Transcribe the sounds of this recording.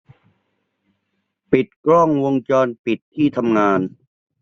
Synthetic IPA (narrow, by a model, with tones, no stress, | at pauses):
pi˨˩t̪̚kɾɔ˥˩ŋwo˧ŋt͡ɕɔː˧npi˨˩t̪ʰːiː˥˩t̪ʰa˧mŋaː˧n